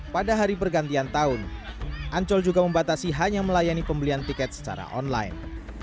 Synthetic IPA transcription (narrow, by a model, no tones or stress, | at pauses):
padaɦaɾipərɡant̪iant̪aʊnʔaɲt͡ʃɔld͡ʒuɡaməmbat̪asiɦaɲaməlajanipəmbəliant̪ikɛt̪̚sə̥t͡ʃa̰ɾa̰ʔɔ̰nla̰jn